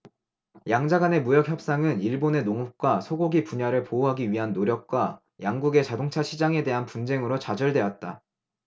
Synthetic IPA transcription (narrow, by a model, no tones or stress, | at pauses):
jaŋd͡ʑaɡane̞mujʌk̚çjʌp̚s͈aŋɯniɭbone̞noŋup̚k͈wasʰoɡoɡipuɲaɾɯɭpouɦaɡiɥiɦanːoɾjʌk̚k͈wa | jaŋɡuɡe̞t͡ɕadoŋt͡ɕʰaɕʰid͡ʑaŋe̞de̞ɦanpund͡ʑe̞ŋɯɾot͡ɕad͡ʑʌɭde̞wat̚t͈a